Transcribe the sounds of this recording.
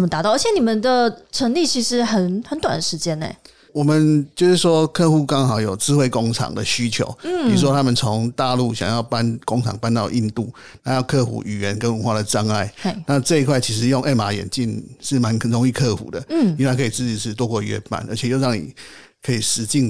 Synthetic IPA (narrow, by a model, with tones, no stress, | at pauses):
ə˨mə˩t̪a˧˥t̪ɑ˥˩ə˞˧˥t͡ɕʰjɛ˦ni˨˩mə˨nd̪ə˨ʈ͡ʂʰə˧˥ŋli˥˩t͡ɕʰi˧˥ʂɻ̩˧˥hə˨˦nxə˧˦nt̪wa˨nd̪ə˦ʂɻ̩˧˥t͡ɕjɛ˥nḛ˨˩ | wɔ˨˩mə˨nt͡ɕjo˥˧ʊʂɻ̩˥˩ʂwɔ˥kʰɤ˥˧xu˥˩kɑ˥ŋxɑ˨˦ʊjo˨˩ʊt͡sɹ̩˥xwe˥˩ɪkʊ˥ŋʈ͡ʂʰɑ̰˨˩ŋd̪ə̰˨ɕy˥t͡ɕʰjo̰˧˦ʊpʰi˨˩ɻu˥ʂwɔ˦t̪ʰa˥mə˨nt͡sʰo˧˦ŋt̪a˥˧lu˥˩ɕjɑ̰˨˩ŋjɑ˥˩ʊpa˦nkʊ˥ŋʈ͡ʂʰɑ̰˨˩ŋpa˥˧nt̪ɑ˥˧ʊʔi˥˧nt̪u˥˩ | na˨˥˦jɑ˥˧ʊkʰɤ˥˧xṵ˨˥ʔy˨˩ɥɛ˧˦nkə˦˥nwə˧˥nwa˥˩də˩ʈ͡ʂɑ˥ŋa˥˩ɪ˧na˥˧ʈ͡ʂɤ˥˧i˧˥kʰwa˥˩ɪt͡ɕʰi˧˥ʂ̬ɻ̩˧˦jo˥˧ŋʔe˥˧˩ma˧˥jɛ̰˨˩nt͡ɕi˥˩nʂɻ̩˥˩ma˨˦nɻo˧˥ŋi˥˧kʰɤ˥˩xṵ˨˩d̪ə˦˥˩i˥a˥˩kʰɤ˧˥i˨˩t͡sɹ̩˥˩t͡ɕi˨˩ʂɻ̩˥˩t̪wɔ˥kwɔ˥˧ɥɛ̰˥˧pa̰˥˩nʔə˞˧˥t͡ɕʰɛ˨˩jo˥˧ʊɻɑ˥˩ŋnḭ˨˩ | kʰɤ˧˥i˨˩ʂɻ̩˧˥t͡ɕi˥˩n